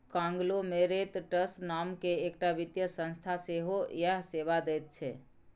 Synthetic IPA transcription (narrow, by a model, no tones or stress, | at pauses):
kãŋɡlomeɾet̪ʈəsnamkeːkʈabit̪jəsə̃nst̪ʰaseɦojəɦseʋad̪ɛt̪̚t͡ʃʰɛ